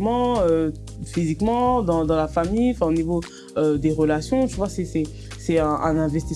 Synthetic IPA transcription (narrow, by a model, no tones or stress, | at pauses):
mɑ̃ø | fizikmɑ̃d̪ɑ̃d̪ɑ̃lafamijɑ̃fɛ̃onivo | ød̪eʁəlasjɔ̃ʒəvwasɛsɛ | sɛɛ̃ʔɛ̰̃nɛ̃vɛst̪i